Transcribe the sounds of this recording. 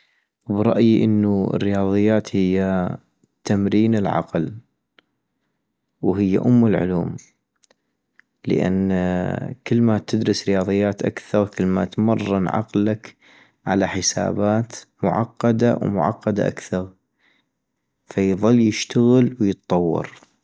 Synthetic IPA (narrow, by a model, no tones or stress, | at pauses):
wbɾˤɑ̰ʔjiʔɪnːuɪ̰rːɪjɑːðˤɨjːaːt̪hɪjːa | t̪amɾiːnɪlʕɑ̰ql | wɦɪjːa̰ʔʊmːɪlʕʊ̰luːm | lə̰ʔa̰nː | kəlːmat̪ɪd̪ɾɨsɾɪjɑːðˤɨjːaːt̪ʔa̰kθɑɾkəlːma̰t̪mɑrˤːɑnʕɑ̰qlak | ʕa̰laħəsa̰ːbaːt̪mʊʕɑqːɑd̪awmʊ̰ʕɑ̰qːɑd̪a̰ʔa̰kθɑɾˤ | fajðˤɨlːjəʃt̪aɣəlwjɨt̪ˤtˤːɑwːɑ̰ɾ